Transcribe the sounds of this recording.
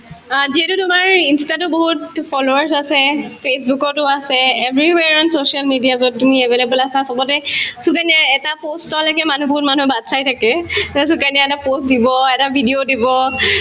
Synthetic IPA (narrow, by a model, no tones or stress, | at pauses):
ziɦɛtʊtʊmaɹinstatʊboɦutpʰɔloaɹsasɛpʰes̬bukɔtʊasɛːbɹiwɛɹɔnsosialmidiazɔtːumiɛbʱelebɔlasasɔbɔtɛsukaniaɛtapostɔlɔkɛmanubɔɦut̚manuɛbadsajtʰakɛs̬ukaniaɛtapostdibɔɛtabʱidiodibɔ